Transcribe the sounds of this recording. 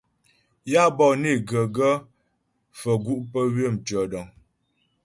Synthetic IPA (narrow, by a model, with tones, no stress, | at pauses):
ja˦bɔ˦˨ne˦˨ɡə˨ɡə˦ | fə˨ɡu˦ʔpə˦wə˦˨m˨tɥə˨dɔ˨ŋ